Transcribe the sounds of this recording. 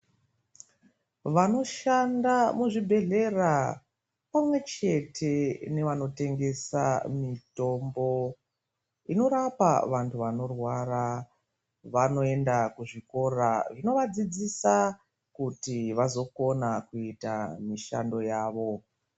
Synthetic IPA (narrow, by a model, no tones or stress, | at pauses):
ʋano̞ʃandamuʐibʱe̞ɮe̞ra | pamwe̞t͡ʃe̞tʰe̞ne̞ʋano̞te̞ŋɡe̞sa̰mito̞mbo̞ | ino̞ɾapa̰ʋantʰuʋano̞rwaɾa | ʋano̞e̞ndakuʐiko̞ɾaʐino̞ʋad͡zid͡zisa | kutiʋazo̞ko̞nakuita̰miʃa̰ndo̞jaːʋo̞